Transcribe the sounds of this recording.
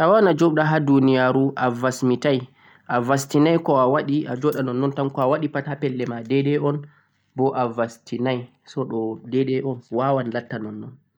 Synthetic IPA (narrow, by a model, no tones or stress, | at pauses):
ʔawanad͡ʒɔɓɗaɦadunijaɾuʔavasmitaj | ʔavastinajkɔawaɗiʔa̰d͡ʒɔɗanɔnːɔntamkɔawaɗipathapɛlːɛmadɛɗɛɔn | bɔʔavastinaj | sɔɗɔdɛɗɛʔɔnwawanlatːanɔnːɔn